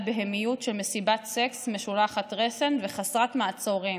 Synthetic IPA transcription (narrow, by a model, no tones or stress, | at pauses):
beɦemijutʃelme̞sibatseksmeʃulaχatʁesenveχasʁatmaːt͡soʁi